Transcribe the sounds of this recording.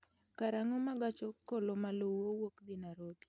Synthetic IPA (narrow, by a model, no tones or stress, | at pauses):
kaɾaŋɔmaɡat͡ʃɔkolomalowowokd̪ɪnaɾobi̥